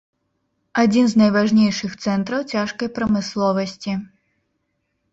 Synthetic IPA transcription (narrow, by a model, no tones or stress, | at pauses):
ad͡zʲinznɐjvaʐnʲejʂɨxt̪sɛnt̪ɾɐwt͡sʲaʂkɐjpɾɐmɨslˠɔvɐsʲt͡sʲi